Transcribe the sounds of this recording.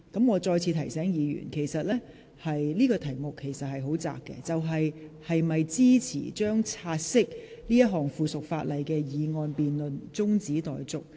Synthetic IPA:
kɐ˨˥mŋɔː˨˧t͡sɔː˧jt͡sʰiː˧t̪ʰɐ˨˩jsɛː˨˥ŋjiː˨˧jy̰ː˨˩nkʰe˨˩jsɐ˨t̚lɛː˥ | hɐ˨jliː˥kɔː˧t̪ʰɐ˨˩jmʊ˨kʰːe˨˩jsɐ˨t̚hɐ˨jɦo˨˥wt͡sa̰ː˨k̚kːɛ̰˧t͡sɐ˨wɦɐ˨jhɐ˨jmɐ˨jt͡siː˥t͡sʰḭː˨˩t͡ʃœː˥ŋt͡sʰaː˧t̚sɪ˥k̚liː˥jɐ˥t̚ɦɔː˨ŋfuː˨˧sʊ˨k̚faː˧t̚lɐ˨jkɛː˧jiː˨˧ŋɔː˧npiː˨nlɵ˨nt͡sʊ˥ŋt͡siː˨˥t̪ɔ̰ː˨jt͡sʊ˨k̚

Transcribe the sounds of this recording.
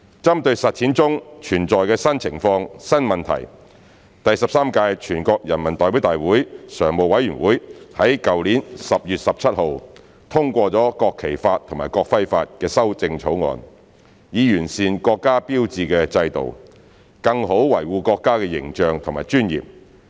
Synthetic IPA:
t͡sɐ˥mt̪ɵ˧ɥsɐ˨t̚t͡sʰiː˨˥nt͡sʊ˥ŋt͡ʃʰyː˨˩nt͡sɔː˨jkɛː˧sɐ˥nt͡sʰɪ˨˩ŋfɔː˧ŋsɐ˥nmɐ˨nt̪ʰɐ̰˨˩j | t̪ɐ˨jsɐ˨p̚saː˥mkaː˧jt͡ʃʰyː˨˩nkɔː˧k̚jɐ˨˩nmɐ˨˩nt̪ɔː˨jwi˨˥wt̪aː˨jwuː˨˥jsœː˨˩ŋmo˨wɐ˨˥jɥyː˨˩nwuː˨˥jhɐ˨˥jkɐ˨wliː˨˥nsɐ˨p̚jyː˨t̚sɐ˨p̚t͡sʰɐ˥t̚ho˨w | t̪ʰʊ˥ŋkʷɔː˧t͡sɔː˨˥kɔː˧kʰe˨˩jfaː˧t̚t̪ʰŋmaː˨˩jkɔː˧k̚fɐ˥jfaː˧t̚kɛː˧sɐ˥wt͡sɪ˧ŋt͡ʃʰo˨˥wŋɔ̰ː˧n | jiː˨˧jyː˨˩nsiː˨nkɔː˧kːaː˥piː˥wt͡siː˧kɛː˧t͡sɐ˧jt̪o̰˨w | kɐ˧ŋho˨˥wwɐ˨˩jwuː˧kɔː˧kːaː˥kɛː˧jɪ̰˨˩ŋt͡ʃœː˨ŋt̪ʰʊ˨˩ŋmaː˨˩jt͡ʃyː˥njḭː˨p̚

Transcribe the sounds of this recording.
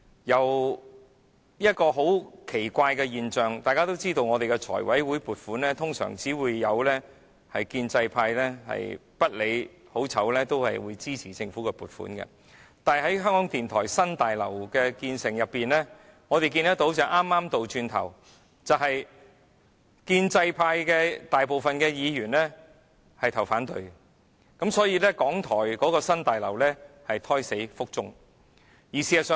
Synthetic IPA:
jɐ˨˩w | jɐ˥t̚kɔː˧ɦo˨˥wkʰe˨˩jkʷaː˧jkɛ˧jiː˨nt͡ʃœː˨˩ŋt̪aː˨jkaː˥t̪o˥wt͡siː˥t̪o˧wŋɔː˨˧t̪e˨jkɛ˧t͡ʃʰɔ̰ː˨˩jwɐ˨˥jwuː˨˥jpuː˨t̚fuː˨˥nlɛː˥t̪ʰʊ˥ŋsœ̰ː˨˩ŋt͡siː˨˥wuː˨˧jːɐ˨˧wlɛː˥ | hɐ˨jkiː˧nt͡sɐ˧jpʰaː˧jlɛː˥hɐ̰˨jpɐ˥t̚le˨˧j | ho˨˥wt͡sʰɐ˨˥wlɛː˥t̪o˥whɐ̰˨jwuː˨˧jt͡siː˥t͡sʰiː˨˩t͡sɪ˧ŋfuː˨˥kɛ˧puː˨t̚fṵː˨˥nkɐ̰˧ | t̪aː˨ɦɐ˨˥jɦœː˥ŋkɔː˨˥ŋt̪iː˨nt̪ʰɔ̰ː˨˩jsɐ˥nt̪aː˨jlɐ˨˩wkɛː˧kiː˧nsɪ˨˩ŋjɐ˨pːiː˨nlɛː˥ | ŋɔː˨˧t̪e˨jkiː˧nt̪ɐ˥t̪o˨˥wt͡sɐ˨wʔaː˥mːaː˥mt̪o˨wt͡ʃyː˧nt̪ʰɐ̰˨˩w | t͡sɐ˨wɦɐ˨j | kiː˧nt͡sɐ˧jpʰaː˧jkɛː˧t̪aː˨jpo˨wfɐ˨nkɛː˧jiː˨˧jyː˨˩nlɛː˥ | hɐ˨jt̪ʰɐ˨˩wfaː˨˥nt̪ɵ˨˧ɥ | kɐ˨˥msɔː˨˥jiː˧lɛː˥kɔː˨˥ŋt̪ʰɔː˨˩jkɔː˨˥kɔː˧sɐ˥nt̪aː˨jlɐ˨˩wlɛː˥hɐ˨jt̪ʰɔː˥jse˨˥jfʊ˥k̚t͡sʊ˥ŋ | jiː˨˩si˨˧jɐ˨˩sœː˨˧

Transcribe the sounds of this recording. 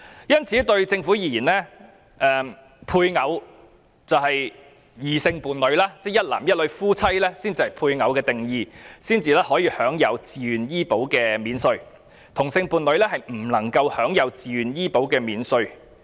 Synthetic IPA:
jɐ˥nt͡sʰiː˨˥t̪ɵ˧ɥt͡sɪ˧ŋfuː˨˥jiː˨˩jiː˨˩nlɛ˥ | ʔɛː˨˧m | pʰuː˧jŋɐ˨˧w | t͡sɐ˨wɦɐ˨j | jiː˨˩sɪ˧ŋpuː˨nlɵ˨˧ɥlaː˥t͡sɛː˥jɐ˥t̚la̰ː˨˩mjɐ˥t̚lɵ˨˧ɥfuː˥t͡sʰɐ˥jlɛː˥siː˥nt͡siː˨˧hɐ˨˩jpʰuː˧jŋɐ˨˧wkɛː˧t̪ɪ˨ŋjiː˧siː˥nt͡siː˨˧lɛː˥hɔː˨˥jiː˧hœː˨˥ŋjɐ˨˧wt͡siː˨ɥyː˨˩njiː˥po˨˥wkɛː˧miː˨˥nsɵ˧ɥ | t̪ʰʊ˨˩ŋsɪ˧ŋpuː˨nlɵ˨˧ɥlɛː˥hɐ˨jm̩˨˩lɐ˨˩ŋkɐ˧whœː˨˥ŋjɐ˨˧wt͡siː˨˧ɥyː˨njiː˥po˨˥wkɛː˧miː˨˥nsɵ˧ɥ

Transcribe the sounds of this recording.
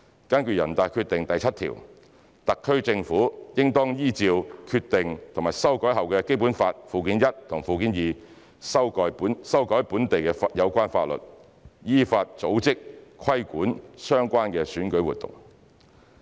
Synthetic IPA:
kaː˥nky˨˧jɐ̰˨˩nt̪aː˨˧jkʰyː˧t̪ɪ˨ŋt̪ɐ˨jt͡sʰɐ˥t̚t̪ʰḭː˨˩w | t̪ɐ˨kʰːɵ˥ɥt͡sɪ˧ŋfuː˨˥jɪ˥ŋt̪ɔː˥ŋjiː˥t͡siː˧wkʰyː˧t̚t̪ɪ˨ŋt̪ʰʊ˨˩ŋmaː˨˩jsɐ˥wkɔː˨˥jɦɐ˨wkɛː˧ke˥jpuː˨˥nfaː˧t̚fuː˨kiː˨˥njɐ˥t̚t̪ʰʊ˨˩ŋfuː˨˩k̬iː˨˥njiː˨ | sɐ˥wkɔː˨˥jpu˨˥nsɐ˥wkɔː˨˥jpuː˨˥nt̪e˨jkɛ˧fjɐ˨˧wkʷaː˥nfaː˧t̚lɵ̰˨˩t̚ | jiː˥faː˧t̚t͡so˨˥wt͡sɪ˥k̚kʰɐ˥jkuː˨˥nsœː˥ŋkʷaː˥nkɛː˧syː˨˥nkɵ˨˥ɥwṵː˨˩t̪ʊ̰˨˩ŋ

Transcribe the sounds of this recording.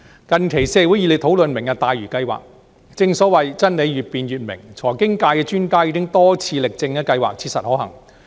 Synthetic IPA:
kɐ˨nkʰe˨˩jsɛː˧wu˨˥jiː˧le˨˧˩t̪ʰo˨˥wlɵ˨nmɪ˨˩ŋkɛ˧t̪aː˨jɥyː˨˩kɐ˧jwa̰ː˨k̚ | t͡sɪ˧ŋsɔː˨˥wɐ˨jt͡sɐ˥nle˨˧jɥyː˨t̚piː˨nɥyː˨˩t̚mɪ̰˨˩ŋt͡sʰɔː˨˩jkɪ˥ŋkaː˧jkɛː˧t͡ʃyː˥nkaː˥jiː˨˧˥kɪ˥ŋt̪ɔː˥t͡sʰiː˧lɪ˨k̚t͡sɪ˧ŋkɛː˧kɐ˧jwaː˨k̚t͡sʰi˧sɐ˨t̚hɔː˨˥hɐ˨˩ŋ

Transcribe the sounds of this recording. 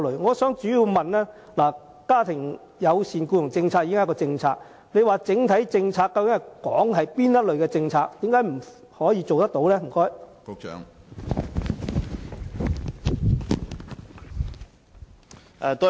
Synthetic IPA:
lɵ˨˩ɥŋɔː˨˧sœː˨˥ŋt͡ʃyː˨˥jiː˧wmɐ˨nlɛː˥ | laː˨˩ | kaː˥t̪ʰɪ˨˩ŋ | jɐ˨˧wsiː˨˩nkuː˧jʊ˨˩ŋt͡sɪ˧ŋt͡sʰaː˧k̚i˧˥ɪ˥˦˥kːɔː˧t͡sɪ˧ŋt͡sʰaː˧k̚ | ne˨˧jwaː˨˩t͡sɪ˨˥ŋt̪ʰɐ˨˥jt͡sɪ˧ŋt͡sʰaː˧kːɐ˧wkɪ˨˥ŋhɐ˨˩jkɔ̰ː˨˥ŋɦɐ˨jpiː˥njɐ˥t̚lɵ˨ɥkɛː˧t͡sɪ˧ŋt͡sʰaː˧k̚t̪iː˨˥mkaː˨˥jm̩˨˩ | hɔː˨˥jiː˨˧t͡so˨wt̪ɐ˥k̚t̪o˨˥wlɛː˥m̩˨˩kɔː˥j̰ː | ŋ˨ | t̪ɔ˥

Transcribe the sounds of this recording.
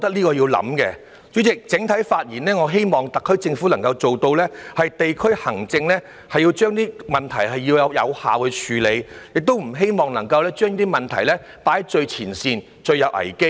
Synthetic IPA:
ɔ˧kt̪ɐ˥k̚liː˥kɔː˧jiː˧wlɐ̰˨˥mkɛː˧ | t͡ʃyː˨˥t͡sɪ˨k̚t͡sɪ˨˥ŋt̪ʰɐ˨˥jfaː˧t̚jiː˨˩nlɛː˥ŋɔː˨˧ɦe˥jmɔː˨˩ŋt̪ɐ˨kʰːɵ˥ɥt͡sɪ˧ŋfu˨˥lɐ˨˩ŋkɐ˧wt͡ʃo˨wt̪o˧wlɛː˥hɐ˨jt̪e˨jkʰɵ˥ɥhɐ˨˩ŋt͡sɪ˧ŋlɛː˥ | hɐ˨jiː˧wt͡ʃœː˥ŋt̪iː˥mɐ˨nt̪ʰɐ˨˩jɦɐ˨jːiː˧wjɐ˨˧wjɐ̰˨˧wha̰ː˨whɵ˧t͡ʃʰyː˨˧le˨˧jjɪ˨k̚t̪o˥wm̩˨˩ɦe˥jmɔː˨ŋnɐ˨˩ŋkɐ˧wlɛː˥t͡ʃœː˥ŋiː˥t̪iː˥mɐ˨˩nt̪ʰɐ˨˩jlɛː˥ | paː˨˥jt͡ʃɵ˧ɥt͡sʰiː˨˩nsiː˧n | t͡ʃɵ˧ɥjɐ˨˧wʔɐ̰˨˩jke˥

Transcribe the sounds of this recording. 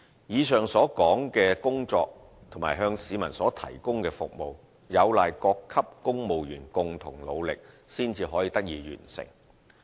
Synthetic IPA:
jiː˨˧sœː˨ŋsɔː˨˥kɔː˨˥ŋkɛː˧kʊ˥ŋt͡sɔː˧k̚ | t̪ʰʊ˨˩ŋmaː˨˩jɦœː˧ŋsiː˨˧mɐ˨˩nsɔː˨˥t̪ʰɐ˨˩jkʊ˥ŋkɛː˧fʊ̰˨k̚mo˨w | jɐ˨˧wlaː˨jkɔː˧kʰːɐ˥p̚kʊ˥ŋmo˨wjyː˨˩nkʊ˨ŋt̪ʰʊ˨˩ŋlo˨˧wlɪ˨k̚siː˥nt͡siː˧ɦɔː˨˥jiː˧t̪ɐ˥k̚jiː˨˧ɥy̰ː˨˩nsɪ̰˨˩ŋ

